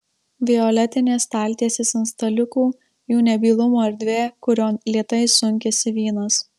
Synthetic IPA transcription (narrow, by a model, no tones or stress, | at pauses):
bʲɪjɔːlʲɛt̪ʲɪnʲeːst̪ɑːlʲt̪ʲiɛsʲesɪnst̪ɐlʲʊkuː | juːnʲɛbʲiːlˠʊmoɐɾʲd̪ʲʋʲeːkʊɾʲoːnlʲiɛt̪ɐɪsʊŋʲkʲɛsʲɪʋʲiːnɐs